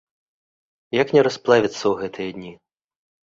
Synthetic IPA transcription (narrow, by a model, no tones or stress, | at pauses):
jaknʲɛɾɔsplˠɛʋʲit̪sɔɦɛt̪ʰɪjɛdʲnʲi